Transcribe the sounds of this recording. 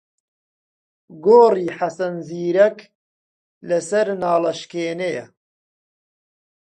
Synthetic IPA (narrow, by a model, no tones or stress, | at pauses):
ɡoːriːħasɐnziːɾɐk | lɐsɐɾnɑːlɐʃkeːnejɐ̰